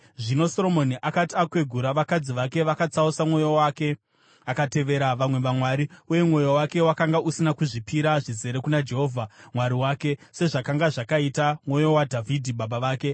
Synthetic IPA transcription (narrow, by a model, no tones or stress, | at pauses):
ʐino̞so̞ɾo̞mo̞niʔakatiakwe̞ɡʱuɾaʋakad͡ziʋake̞ʋakat͡sausamwo̞jowake̞ | akate̞ʋe̞ɾaʋamwe̞ʋamwaɾiuje̞mwo̞jowake̞wakaŋɡaʔusinakuʐipiɾaʐize̞ɾe̞kunad͡ʒe̞ɦo̞ːvʱamwaɾiwaːke̞se̞ʐakaŋɡaʐakaitamwo̞jo̞wadʱavʱidʱiɓaɓaʋaːke̞